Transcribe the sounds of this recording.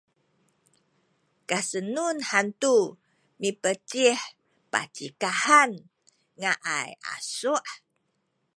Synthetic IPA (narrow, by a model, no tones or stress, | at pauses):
kasənunhant̪u | mipət͡ʃih | pa̰t͡ʃikahan | ŋaʔaja̰suʔ